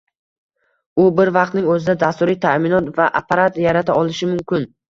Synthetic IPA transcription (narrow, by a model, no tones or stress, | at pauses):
ʊbɪɾvɑq̚t̪nɪŋɵzɪd̪ad̪ast̪ʊɾɪt̪ʰamɪnɒt̪vaʔapʰaɾat̪jaɾat̪ʰaɒlˠɪʃɪmʊmkʲʰɪn